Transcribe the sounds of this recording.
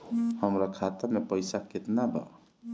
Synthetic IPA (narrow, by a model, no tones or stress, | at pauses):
həmɾakʰat̪əɾmepəjsaket̪nabʱʌ̰